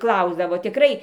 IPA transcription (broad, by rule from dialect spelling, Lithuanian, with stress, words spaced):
ˈklˠɐʊzdɐʋoː tʲɪˈkrɐɪ